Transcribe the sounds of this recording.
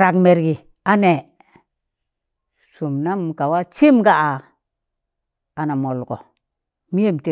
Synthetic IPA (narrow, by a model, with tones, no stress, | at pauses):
ɾa˨kme˨ɾɡi˨ | a˦ne˨ | su˨mna˦mka˨wa˦t͡ʃi˦mɡa˦˨ʔa˨ | a˨na˨mo˨lɡo̰˨ | mi˦je˦mte˨